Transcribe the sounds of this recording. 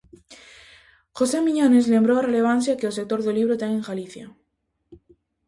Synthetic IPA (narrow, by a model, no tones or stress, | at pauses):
xo̞semĩɲone̞zle̞mbɾoare̞le̞β̞an̟θjakes̬ek̚t̪o̞ɾðeliβ̞ɾot̪aŋeŋxaliθja̰